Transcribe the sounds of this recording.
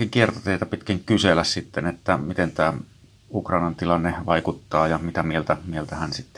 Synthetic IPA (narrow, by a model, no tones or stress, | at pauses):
kiŋkiert̪ɑt̪eˑit̪ɑpit̪kæŋkyselæssit̪ːenet̪ːæmit̪ent̪æː | ukrɑˑinɑnt̪ilɑnːeʋɑˑikut̪ːɑːjɑmit̪æmielt̪æmielt̪æhænsit̪ːe